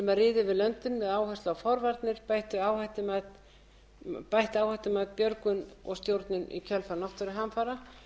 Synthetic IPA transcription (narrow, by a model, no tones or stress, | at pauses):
ɛmarɪːðʏvɪðlœnt̪ʏnvɛðaːwhast̪lawfɔɾvaɾt̪nɪɾpajht̪ʏaːwhaht̪ɪmat̪ | pajht̪aːwhaht̪ɪmat̪pjœɾkʏnɔ̰ɣst̪jowɾt̪nʏnḭcʰœlfanɔht̪aɾɪɦamfaɾa